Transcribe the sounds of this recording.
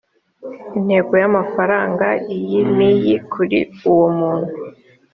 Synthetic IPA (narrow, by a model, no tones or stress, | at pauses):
in̥he̞ɡojamafaɾaːŋɡaijimijikʰuɾḭuwomuːn̥hu